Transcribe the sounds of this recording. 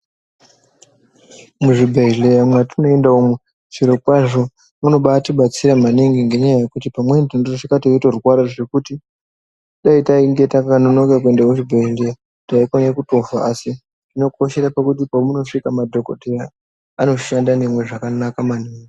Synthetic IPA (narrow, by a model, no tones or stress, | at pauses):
muʐibʱeilejamwatuno̞e̞ndaomwe | ʐ̥iɾokwaʐo̞ | muno̞ɓatiɓat͡siɾamaniŋɡiŋɡe̞ɲajaje̞kutipamwentendorʐikatiitorwaɾaʐe̞kuti | ɗaitaiŋɡetakano̞nokak̬ue̞ndamuʐibʱeileja | taikwanakuto̞faːsi | dino̞ko̞ʃe̞ɾapakutipomuno̞ʂikamadʱo̞koɗera | ano̞ʃandanemwe̞ʐakanakamaniːŋɡi